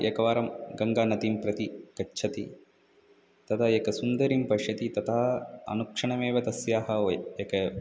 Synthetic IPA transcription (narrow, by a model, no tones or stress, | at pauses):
jɐ̰kɐʋaːɾɐmɡɐŋɡaːnɐt̪impɾɐt̪ikɐːt͡ʃʰɐt̪i | t̪ɐt̪ʰajɐkɐsund̪ɐɾimpɐʂjɐt̪it̪ɐt̪ʰaɦɐɐ̰nukʂɐɳɐmeːʋɐt̪ɐsjaːɦɐjekɐ